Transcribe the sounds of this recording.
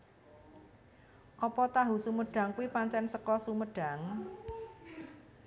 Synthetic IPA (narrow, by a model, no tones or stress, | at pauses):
ʔɔpɔt̪aɦusuməɖ̥a̤ŋkuipaɲt͡ʃɛnsəkɔsuməɖ̥a̤ŋ